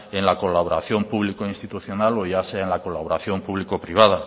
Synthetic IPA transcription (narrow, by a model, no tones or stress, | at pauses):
enlako̞laβoɾa̰θjo̞mpuβlikoinst̪it̪uθjo̞nalo̞ʝaseaenlako̞laβoɾaθjo̞mpuβlikopɾiβaða